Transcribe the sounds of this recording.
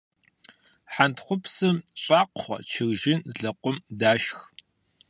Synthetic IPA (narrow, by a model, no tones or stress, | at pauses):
ħantʰχʷʊpʰsɨmɕʼaːqχʷɔ̰t͡ʃʰɪɣʒɪnzɮɐqʷʊmdaːʃx